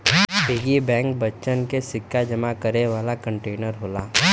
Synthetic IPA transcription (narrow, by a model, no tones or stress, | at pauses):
beɡibɛ̃ːŋk̚bətːt͡ʃənkesɪkʰːjad͡ʒɐmakəɾeʋaːlakə̃ɳʈeːnəɾɦoːlaː